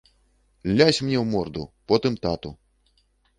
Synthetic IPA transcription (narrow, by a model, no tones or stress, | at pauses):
lʲasʲmnʲɛwmɔrd̪ṵpɔt̪ɨmt̪at̪u